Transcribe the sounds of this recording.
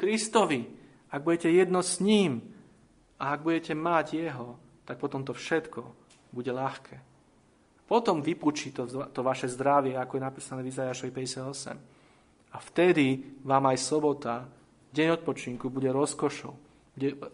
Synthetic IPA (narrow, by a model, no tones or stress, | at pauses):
kɾist̪ɔʋi | aɡ̚buɟɛcɛjɛd̪nɔsɲiːm | aaɡ̚buɟɛcɛmaɟjɛɦɔ | t̪ak̚pɔt̪ɔmt̪ɔfʃɛt̪kʰɔ | buɟɛlaxkʰɛː | pɔt̪ɔmʋipuːt͡ʃit̪ɔt̪ɔʋaʃɛzd̪ɾaʋɪɛakɔjɛnapiːsanɛːvizajaːʃɔʋipɛɟɛsɪad̪ɔsɛ̰m | aft̪ɛd̪iʋaːmajsɔbɔt̪a | ɟɛɲɔt̪̚pɔt͡ʃiŋkubuɟɛɾɔskɔʃɔ̰ʊ | buɟɛ